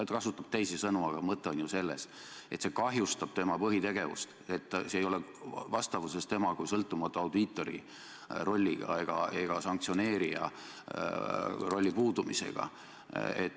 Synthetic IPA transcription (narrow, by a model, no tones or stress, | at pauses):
et̪kɑsut̪ːˑɑb̥t̪e̞jsesɤnuɑɡ̥ɑmɤt̪ːˑeonjuse̞lːe̞s | e̞t̪se̞kɑɦjust̪ɑb̥t̪e̞mɑpɤɦit̪e̞ɡe̞vṵst̪e̞t̪ːsejo̞levɑst̪ɑvuse̞st̪e̞mɑkujsɤlt̪ːˑumɑt̪ːˑuɑwd̪it̪ːˑo̞ɾḭ | ro̞lʲːiɡ̥ɑ̰e̞ɡ̥ɑ̰e̞ɡ̥ɑsɑŋk̚t̪sio̞ne̞ːɾiɑ̰ | ro̞lʲːipuːd̪umḭse̞̰ɡ̥ɑ̰ | ḛt̪